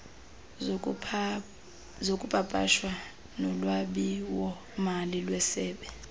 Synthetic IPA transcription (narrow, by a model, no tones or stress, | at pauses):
zokʼupʼapʼa̰ʃwa | nɔlwaɓiwɔ | malilwɛsɛːɓɛ